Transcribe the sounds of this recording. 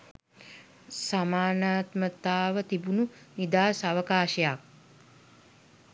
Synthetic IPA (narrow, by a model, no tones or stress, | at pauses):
samaːnaːt̪mət̪aːʋət̪ibununid̪aːsaʋəkaːʃəjak̚